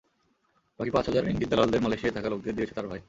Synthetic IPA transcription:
pakʰipat͡ɕɦɔd͡ʑaɾḭŋɡid̪ːalald̪eɾmalejʃiat̪akalok̚d̪ed̪ijet͡ɕʰe̥t̪aɾbʱaj

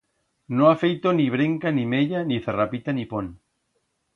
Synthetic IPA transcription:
nõafejt̪oniβ̞ɾeŋkanimeʎaniθerapit̪anipon

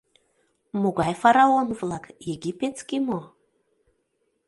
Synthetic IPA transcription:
muɡajfaɾaonvlˠakjeɡʲipʲet̪skʲimo

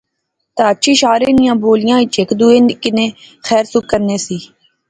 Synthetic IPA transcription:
t̪aːəʃʰiːʃaːɾeːnɪjãːboːlɪjãːɪt͡ʃekd̪uːeːnkɪnẽːxɛːɾsʊkːəɾneːsiː

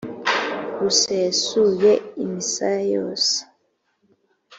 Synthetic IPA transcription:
ɾusesujeimisaajo̰ːse̥

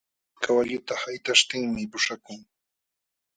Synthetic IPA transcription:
kawaʎʊt̪ahajt̪aʃt̪ɪŋmɪpʊʂakʊŋ

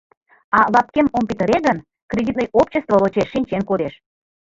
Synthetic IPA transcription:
ɑlɑp̚kemompit̪əɾeɣən | krʲedʲit̪nəjopt͡ɕəst̪volot͡ɕeʃːinʲt͡ɕenkod̪eʃ

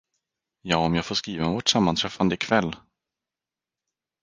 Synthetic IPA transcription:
jɑːɔmjɑːɡfoːʂkɾiːvanvɔʈsamːant̪ʰɾɛfand̪əɪkʰvɛlː

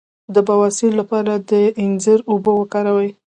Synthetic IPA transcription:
d̪əbawɑsɪlːapɑɾad̪əɪnzəɾobowəkɑɾawaj

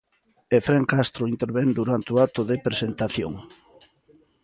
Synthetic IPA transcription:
efɾeŋkast̪ɾoint̪eɾβend̪uɾant̪eoat̪ʊðepɾesent̪aθjo̰ŋ

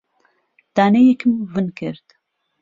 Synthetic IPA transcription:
d̪̥aːnejɛkʰɨmvɨnkʰɨɾt̪

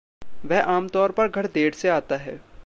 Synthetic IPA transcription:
ʋɛɦʔaːmt̪ɔːɾpɐɾɡʱɐɽd̪eːɽseaːt̪aɦɛ̰ː

